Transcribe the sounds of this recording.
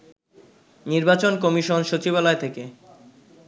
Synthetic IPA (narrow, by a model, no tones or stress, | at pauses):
niɾbat͡ɕonkomiʃonʃot͡ɕibalaet̪ʰeke